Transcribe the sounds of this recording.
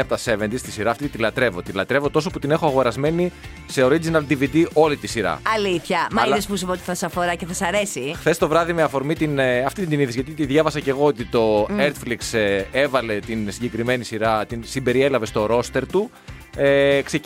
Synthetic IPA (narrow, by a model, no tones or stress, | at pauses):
ɐpot̪ɐse̞vend̪ist̪isiɾɐːft̪it̪d̪ilɐt̪ɾe̞vo̞t̪ilɐt̪ɾe̞vo̞t̪o̞s̬oput̪ine̞xoɐɣo̞ɾɐzme̞ni | se̞o̞ɾid͡zinɐld̪ivid̪iʔo̞lit̪isiɾɐ̰ɐliθçɐmɐɐlespusupot̪i̥θɐsɐfoɾɐceθɐsɐɾesixθe̞st̪o̞vɾɐðimeɐfo̞ɾmit̪inɐft̪it̪ind̪iniðizʝɐt̪it̪iðʝɐvɐsɐce̞ɣo̞ot̪it̪o̞eɾt̪fliksee̞vɐle̞t̪insiɲɟekɾime̞nisiɾɐt̪insimbe̞ɾie̞lɐve̞st̪o̞ɾo̞st̪e̞ɾt̪u | ekse